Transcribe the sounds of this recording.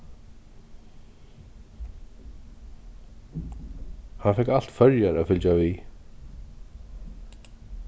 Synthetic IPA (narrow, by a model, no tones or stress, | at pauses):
hanfɛkal̥t̪fœɾjaɾaðfʏlt͡ʃt͡ɕavi